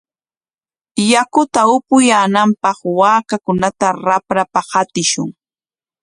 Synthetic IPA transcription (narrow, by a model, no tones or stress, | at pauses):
jakʊt̪aʊpʊjaːnampɑχwaːkakʊnat̪aɾapɾapahat̪ɪʃʊ̰ŋ